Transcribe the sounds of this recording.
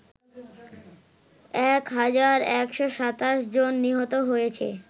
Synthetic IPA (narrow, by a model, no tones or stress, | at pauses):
ɛkɦad͡ʑaɾɛkʃoʃat̪aʃd͡ʑonːiɦot̪oɦojet͡ɕʰḛ